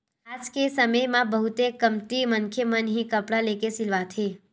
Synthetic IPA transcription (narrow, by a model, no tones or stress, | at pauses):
ad͡ʒkesəməjmãbəɦut̪ekəmt̪imənkʰjəmənɦĩkəpɽalekesilʋat̪ʰe